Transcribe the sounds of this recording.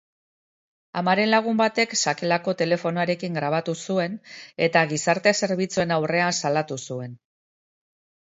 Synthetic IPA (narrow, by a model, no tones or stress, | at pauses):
a̰maɾe̞nlaɣ̞umbat̪e̞ksake̞lako̞t̪e̞le̞fo̞noaɾe̞kiŋɡɾaβ̞at̪usue̞ne̞t̪aɣisaɾt̪ese̞ɾβ̞it͡sue̞nawre̞ansalat̪usue̞n